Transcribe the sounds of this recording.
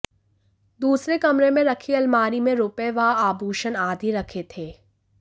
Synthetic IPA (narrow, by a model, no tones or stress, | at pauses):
d̪uːsɾekɐmɾemẽɾɐkʰiɐlmaːɾimẽɾʊpeʋaaːbʱuːʃənaːd̪ʱiɾɐkʰet̪ʰeː